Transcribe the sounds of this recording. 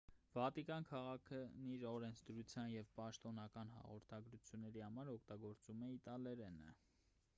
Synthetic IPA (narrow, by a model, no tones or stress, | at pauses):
vɑt̪ikɑnkʰɑʁɑkʰəniɾɔɾɛnt͡sʰd̪əɾut͡sʰjɑnjɛvpɑʃt̪ɔnɑkɑnɦɑ̰ʁɔɾt̪ʰɑɡɾut͡sʰjunːɛɾihɑmɑɾɔkʰt̪ɑɡɔɾt͡sumɛit̪ɑlɛɾɛnə̰